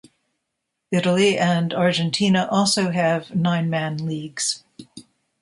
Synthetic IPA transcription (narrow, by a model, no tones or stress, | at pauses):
ɪɾl̩ˠiɨ̃ndɑɹd͡ʒɨ̃ntʰĩnəʔɔlˠsoʊɨvnãɪ̃nmæ̃nliɡz̥